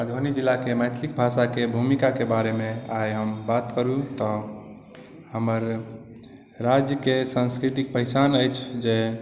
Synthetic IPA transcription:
məd̪ʱonid͡ʒilːakeməjt̪ʰlik̚bʱaʃakebʱumikakebaɾemeajɦəmbat̪kəɾut̪ɔ | həməɾ | ad͡ʒjəkesãnskɾit̪ik̚pəɪsanəjt͡ʃʰd͡ʒe

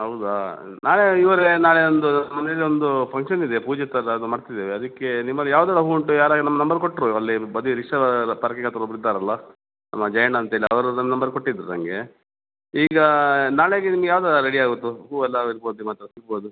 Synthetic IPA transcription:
ɦɐwud̪uaː | naːɭeiʋɐɾenaːɭeond̪unɐmːɐnelːiond̪upʰɐŋkʂɐnid̪epuːd͡ʒet̪ɐɾɐd̪umaːɽt̪id̪ːeːʋeɐd̪ɐkːe̞nimːɐlːijaːʋd̪aːlɐɦuɳʈːujaːɾaːɡɐnɐmːɐnɐmbɐɾkoʈːɾuɐlːibɐd̪iɾiʂɐpɐɾɐkiɡɐt̪ɐɾobɾid̪ːaːɾɐlːɐ | nɐ̰mːɐd͡ʒɐjɐnaːnt̪ɐɦeːliɐ̰ʋɐɾunɐmːɐnɐmbɐɾkoʈːid̪ɾunɐ̰ŋɡe | iːɡɐnaːɭeɡenimɐɡejaːʋd̪alɐɾeɽiaːɡut̪ːuɦuːɛlːɐiɾboːd̪uimaːt̪ːɾɐsiɡbo̞ːd̪u

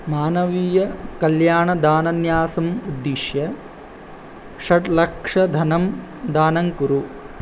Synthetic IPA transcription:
maːnɐʋiːjɐkɐljaːɳɐd̪aːnɐnjaːsɐmud̪ːiʂjɐ | ʃɐʈlɐkʂɐd̪ʱɐnɐm | d̪aːnɐŋkuɾu

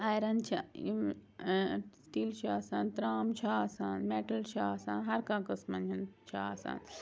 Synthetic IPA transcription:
ajɾɐnt͡ʃʰa | sʈiːlt͡ʃʰaːsaːnt̪ɾaːmt͡ʃʰaaːsaːnmeʈɐlt͡ʃʰaaːsa̰ːnɦɐɾkãːkɐsmɐnɐnt͡ʃʰaaːsa̰ːn

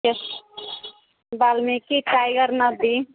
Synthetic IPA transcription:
es | balmekiʈajɡəɾnʌd̪i

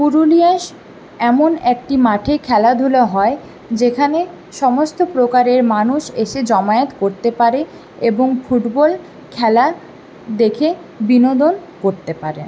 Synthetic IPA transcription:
puɾuliaʃ | ɛmonɛk̚ʈimaʈʰekʰɛlad̪ʱuloɦɔe | d͡ʑekʰane | ʃɔmost̪opɾokaɾeɾmanuʃeʃed͡ʑɔmaet̪koɾt̪epaɾe | eboŋfuʈbol | kʰɛla | d̪ekʰe | binod̪onkoɾt̪epaɾḛn

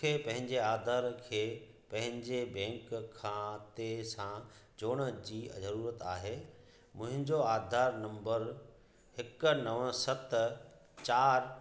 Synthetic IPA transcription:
eːpɐ̃ɦɪ̃ɲd͡ʑeaːd̪ʱaːɾkʰeː | pɐ̃ɦɪ̃ɲd͡ʑebɛ̃ːŋkkʰːãːt̪esãd͡ʑoːɽ̃ə̆d͡ʑiːzɐɾuːɾət̪aːɦeː | mʊ̃ɦɪ̃ɲd͡ʑoaːd̪ʱaːɾnɐ̃mbəɾ | hɪknɐʋə̃sɐt̪ | t͡ɕaːɾ

